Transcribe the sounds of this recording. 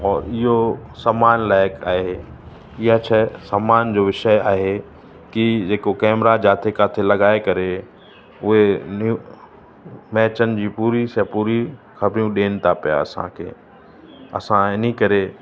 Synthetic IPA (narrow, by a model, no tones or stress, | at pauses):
ɔːɾɪɦosaːmaːnlaːɪkʰaːɦe | ɪɦat͡ɕʰɛsaːmaːnd͡ʑoːʋɪʃəjaːɦe | kid͡ʑeːkokɛːmɾad͡ʑaːt̪ʰekaːt̪ʰelɐɡaːekɐɾe | ʊɦenu | mɛːt͡ɕənɪ̆d͡ʑiːpuːɾisɐpuːɾi | xɐbɾijũɗeːnɪ̆t̪ʰapija̰ɐ̰sã̰kʰḛː | ɐ̰sãɪnikɐɾe